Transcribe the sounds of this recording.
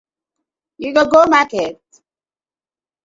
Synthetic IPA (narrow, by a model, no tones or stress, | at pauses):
juɡoɡomakɛt̚